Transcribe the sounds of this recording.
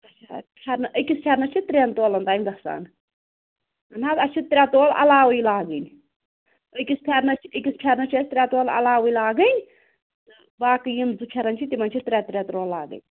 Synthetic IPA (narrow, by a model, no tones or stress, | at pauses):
ɐt͡ʃʰapʲʰɐɾnɐʔəkʲispʰʲɐɾnɐt͡ʃʰit̪ɾʲeːnt̪oːlɐnt̪aːjmʲɡɐsa̰ːn | ɐnaːt̪ɐt͡ʃʰit̪ɾʲat̪oːlɐ̰laːwujlaːɡɨnʲ | əkʲispʲʰeɾnɐt͡ʃʰiəkʲispʲʰɐɾnɐt͡ʃʰest̪ɾʲaːt̪oːlɐ̰laːʋuilaːɡɨnʲ | t̪ɨ | baːkɨjimzupʲʰɐɾɐnʲt͡ʃʰit̪imɐnʲt͡ʃʰit̪ɾʲaːt̪ɾʲaːt̪ɾoːlːaːɡɨ̰nʲ